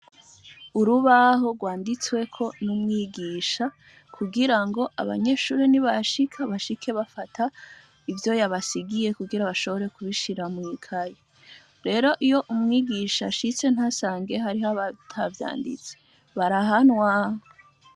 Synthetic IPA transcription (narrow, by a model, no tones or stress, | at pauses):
uɾuβaɦo̞ɡwaːndit͡swe̞kʰo̞numŋiːɡiːʃa | kʰuɡiɾaŋɡo̞ʔa̰βa̰ɲe̞ːʃuːɾiniβaʃikʰaβaʃikʰe̞βafatʰa | ivjo̞jaβasiɡije̞kuɡiɾaβaʃo̞βo̞ɾe̞kuβiʃiɾamwikʰaje | ɾe̞ːɾo̞ʔijo̞ʔumŋiːɡiʃa̰ʃit͡se̞n̥hasaːŋɡe̞ɦaɾiɦaβatʰavja̰ːndḭt͡se̥ | βaɾaɦanwaho